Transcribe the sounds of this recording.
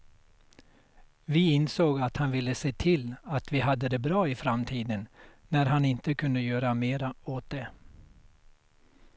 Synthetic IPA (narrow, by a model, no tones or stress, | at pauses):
vɪɪnsoːɡat̪hanvɪlːəseːt̪ʰɪlat̪vɪɦad̪ːəd̪ɛbɾɑːɪfɾamt̪ʰiːd̪ənnæɾhanɪnt̪əkʰɵnd̪əjøːɾameːɾaoːt̪̚d̪ɛ